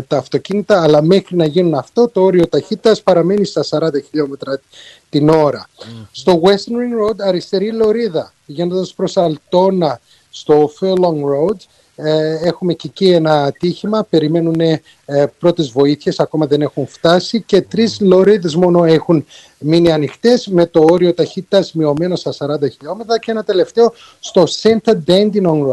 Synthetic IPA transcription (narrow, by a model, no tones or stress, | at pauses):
t̪ɐːft̪o̞cinit̪ɐːlɐme̞xɾinɐʝinunɐft̪o̞t̪o̞o̞ɾio̞t̪ɐçit̪ɐspɐɾɐme̞nist̪ɐsɐɾɐnd̪ɐçiʎo̞me̞t̪ɾɐ | t̪ino̞ɾɐst̪o̞ɣwest̪niŋɾowd̪ɐɾist̪e̞ɾilo̞ɾiðɐ | iʝenond̪ɐspɾo̞sɐlt̪o̞nɐ | st̪o̞feloŋɾowd̪ | e̞xumececienɐːt̪içimɐpe̞ɾime̞nune | pɾo̞t̪e̞zvo̞iθçe̞sɐko̞mɐðe̞ne̞xunft̪ɐsice̞t̪ɾizlo̞ɾiðe̞zmo̞no̞e̞xun | miniɐnixt̪e̞zme̞t̪o̞oɾio̞t̪ɐçit̪t̪ɐzmio̞me̞nost̪ɐsɐɾɐnd̪ɐçiʎo̞me̞t̪ɾɐceenɐt̪e̞le̞ft̪e̞o | st̪o̞sent̪ɐd̪end̪inoŋo